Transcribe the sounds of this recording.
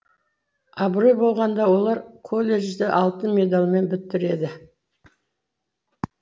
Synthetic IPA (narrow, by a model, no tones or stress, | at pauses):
ɑbɾo̞jbo̞lˠʁɑnd̪ɑwo̞lˠɑɾkʰo̞lʲːe̞ʒd̪ɪʔɑlˠt̪ənmʲe̞d̪alˠme̞nbɪt̪ːɪɾe̞d̪ɪ